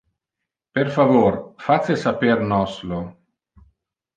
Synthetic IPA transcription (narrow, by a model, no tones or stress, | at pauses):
peɾfavoɾfasesapeɾnɔslo